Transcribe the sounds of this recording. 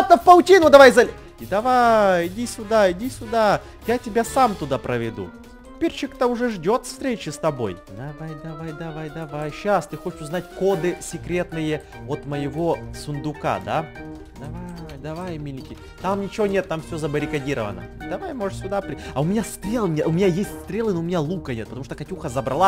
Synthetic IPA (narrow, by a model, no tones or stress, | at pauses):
t̪ːəfpɐlˠtʲinʊd̪ɐvajzɐlʲ | ɪd̪ɐvajɪdʲisʲʊd̪aɪdʲisʲʊd̪a | jatʲɪbʲasamt̪ʊd̪apɾəvʲɪd̪ṵ | ɪpʲeɾʲt͡ɕɪkt̪əʊʐɛʐdʲo̞t̪fst̪ɾʲet͡ɕɪst̪ɐbo̞̰jd̪ɐvajd̪ɐvajd̪ɐvajd̪ɐvajɕast̪ɨxot͡ɕɪ̥ʃʊznatʲkod̪ɨsʲɪkɾʲe̞t̪nɨjə | ot̪məjɪvo̞sʊnd̪ʊka̰d̪a | d̪ɐvajd̪ɐvajmʲilʲɪkʲɪ | t̪amnʲɪt͡ɕɪvonʲe̞t̪ːamfsʲozəbəɾʲɪkɐdʲiɾəvə̰nə̰d̪ɐvajmo̞ʐɨsʲʊd̪apɾʲɪɐʊmʲɪnʲast̪ɾʲe̞lˠmʲeʊmʲɪnʲajesʲtʲst̪ɾʲelˠɨnoʊmʲɪnʲalˠukənʲet̪̚pət̪ɐmuʂt̪əkɐtʲuxəzəbɾɐlˠa